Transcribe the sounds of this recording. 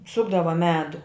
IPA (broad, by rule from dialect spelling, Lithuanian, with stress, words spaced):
ˈsʊɡdɐʋɐ ˈmʲæːdʊ